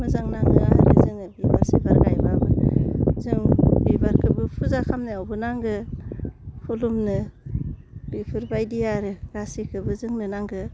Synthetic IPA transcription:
mɯzaŋnaŋnɯa̰ɾɯ̰zɯŋɯbiba̰ɾsibaɾɡajbabɯzɯŋbibaɾkʰɯbɯpʰuzakʰamnɯawbɯnaŋɡɯ | pʰulumnɯ | bipʰɯɾbajdijaɾɯɡ̥asikʰɯbɯzɯŋnɯnaŋɡɯ

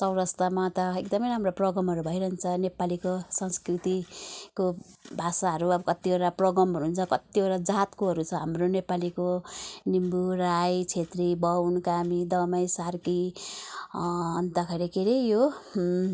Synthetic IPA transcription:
t͡sʌwɾʌst̪amat̪ʌek̚d̪ʌmʌjɾamroprʌɡʌmɦʌɾubʱʌjɾʌɦnt͡sʰʌnepalikosʌnskrit̪iko | bʱasaɦʌɾuʌbʌkʌt̪ːieɾaprʌɡʌmɦʌɾuɦunt͡sʰʌkʌt̪ːioʈad͡zat̪koɦʌɾut͡sʰʌɦamronepalikonimbuɾajt͡sʰet̪ribʌwnkamid̪ʌmʌjsarki | ʌnt̪akʰʌɾekeɾejjo

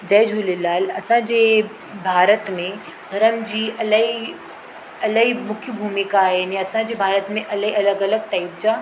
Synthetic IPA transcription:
d͡ʒɐːd͡ʒʱuːlelaːlɐsãd͡ʒe | bʱaːɾət̪mẽ | d̪ʱɐɾəmd͡ʑiːʔɐləi | ɐləimʊkʰjəbʱuːmɪkaɦɛniɐsãd͡ʒebʱaːɾət̪mẽʔɐləɦiɐləɡɐləɡ̚ʈaːɪp̚d͡ʒaː

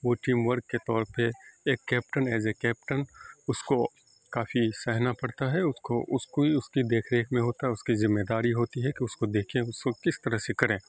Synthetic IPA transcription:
ʋoːʈiːmʋəɾɡkːet̪ɔːɾpeeːkːɛːp̚ʈənɛːzekːɛːp̚ʈənʊsko | kaːfisɛɦnapɐɽt̪aɦɛʊskoʔʊskoiʊskid̪eːkʰɾeːkʰmẽɦoːt̪aɦɛʊskizɪmːed̪aːɾiɦoːt̪iɦɛkiʊskod̪eːkʰẽʊskokɪst̪ɐɾəsekɐɾẽː

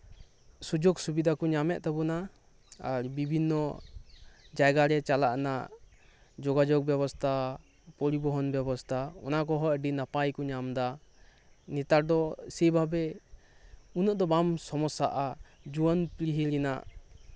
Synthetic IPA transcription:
sud͡ʒɔɡsubid̪ʱakɔɲamɛʔ̚t̪abɔna | aɾbibʱinːɔ | d͡ʒajɡaɾɛt͡ʃalaʔnaʔ | d͡ʒɔɡad͡ʒɔɡ̚bjɛbɔst̪ʰa | pɔɾibɔɦɔnbjɛbɔst̪ʰaɔ̰nakɔɦɔəɖinapajkɔɲamd̪a | nit̪aɾd̪ɔsɛbʱabɛ | unɔʔd̪ɔbamsɔmɔsaʔad͡ʒuwɔnpɾiɦiɾina̰ʔ

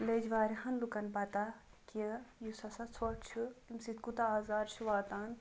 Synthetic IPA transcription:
led͡ʒʋaːɾiɦɐnlukɐnbɐt̪akiəjusɐsɐt͡sʰoːtt͡ʃʰuimsit̪kut̪aːzaːɾʃuʋaːt̪aːn

